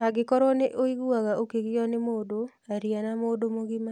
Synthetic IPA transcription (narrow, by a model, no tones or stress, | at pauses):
aɡɪkɔɾɔneʔoiɡuaɡaokeɡɪjɔnɪmodo | aɾjanamodomoɡima